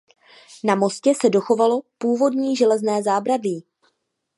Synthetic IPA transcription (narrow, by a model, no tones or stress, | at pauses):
namo̞scɛsɛdo̞xo̞valo̞puːvo̞dɲiːʒɛlɛznɛːzaːbɾaviː